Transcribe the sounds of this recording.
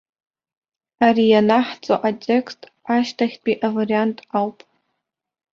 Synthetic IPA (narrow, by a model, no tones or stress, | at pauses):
arijanaħt͡sʼoʔatʲʼe̞kstʼ | aʃtʰaχʲtʼiʔavariantʼawpʼ